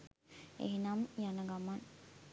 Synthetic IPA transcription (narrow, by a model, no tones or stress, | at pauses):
ḛɦinamjanəɡaman